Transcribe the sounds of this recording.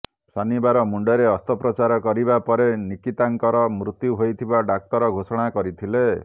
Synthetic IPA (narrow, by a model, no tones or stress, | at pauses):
sanibaɾɔmuɳɖɔɾeɔst̪ɔpɾɔt͡ʃaɾɔkɔɾibapɔɾenikit̪aŋkɔɾɔmɾut̪juɦojt̪ʰibaɖak̚t̪ɔɾɔɡʱosɔɽ̃akɔɾit̪ʰile